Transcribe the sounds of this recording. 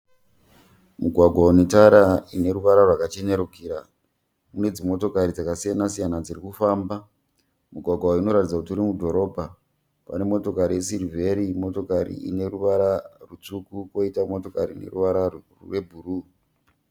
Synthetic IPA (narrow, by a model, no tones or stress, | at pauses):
muɡʱwaɡʱwaunetaɾaine̞ɾuʋaɾarwakat͡ʃeɲeɾukiɾa | mune̞d͡zimo̞to̞kaɾid͡zakasijanasijanad͡zirikufaːmba | muɡʱwaɡʱwaino̞ɾatid͡zakutuɾimudʱo̞ɾo̞ːbʱa | pa̰ne̞mo̞to̞kaɾijesirivʱeɾimo̞to̞kaɾḭḭne̞ɾuʋaɾarut͡sukuko̞itamo̞to̞kaɾine̞̰ruʋaɾa | re̞bʱuru